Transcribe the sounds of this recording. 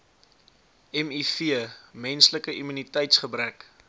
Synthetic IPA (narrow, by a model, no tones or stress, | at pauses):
ɛmifiəmɛnsləkəʔimynitɛjtsχəbɾæk